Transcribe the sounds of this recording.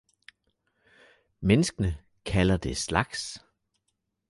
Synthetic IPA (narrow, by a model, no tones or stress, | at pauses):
menəsɡ̥ənə | kʰælɐd̥e̝slɑ̈ɡ̥s